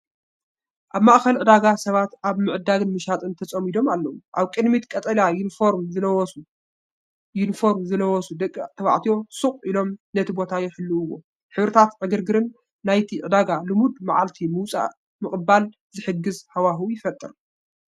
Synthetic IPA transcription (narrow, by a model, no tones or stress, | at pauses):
ʔaβmaʔxɐlʕɨd̪aɡasɐβat̪ʔaβmɨʕɨd̪aɡɨnmɨʃat̪ʼɨnt̪ʰɐt͡sʼɐmid̪o̞malːɐwuʔaβkʼɨd̪mit̪kʼɐt̪ʼɐlajunfoɾmzɐwsu | junfo̞ɾmzɨlɐwɔsud̪ɐkʼːt̪ʰɐβa̰ʕt̪ʰijo̞sɨχʼilo̞mnɐt̪ʰibo̞t̪ʰajɪħɨlːuːwːo̞̰ | ħɨβɾɨt̪ʰat̪ʕɨɡɨɾɡɨɾɨnː | ajt̪ʰiʕɨd̪aɡalɨmud̪maʕalt̪ʰimɨwt͡sʼa̰ | mɨχʼbal | zɨħɨɡɨzhawaɦujɪfɐt̪ʼːɨɾ